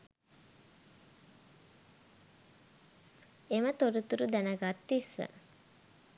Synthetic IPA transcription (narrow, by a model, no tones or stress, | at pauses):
emət̪oɾut̪uɾud̪ænəɡat̪ːisːə̰